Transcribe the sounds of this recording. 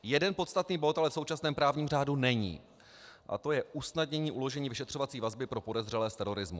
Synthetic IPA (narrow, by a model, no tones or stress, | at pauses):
jɛdɛnpo̞t̪st̪at̪niːbo̞t̪ʔalɛfso̞wt͡ʃasnɛːmpɾaːvɲiːmr̝aːdunɛɲḭː | ʔa̰t̪o̞jɛʔusnadɲɛɲiːʔulo̞ʒɛɲiːvɪʃɛt̪r̝o̞vatt͡siːvazbɪpɾo̞po̞dɛzr̝ɛlɛːst̪ɛɾo̞ɾɪzmṵ